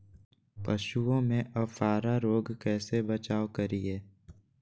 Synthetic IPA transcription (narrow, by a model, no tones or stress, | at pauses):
pəʃuõmẽʔɐbfaːɾaɾoːɡkɛːsebət͡ʃaːʋkəɾieː